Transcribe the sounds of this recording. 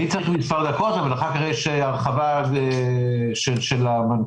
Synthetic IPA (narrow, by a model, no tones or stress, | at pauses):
it͡saχmisfald̪akot̪avalaχakaʁejʃeaʁχava | ʃeʃelaman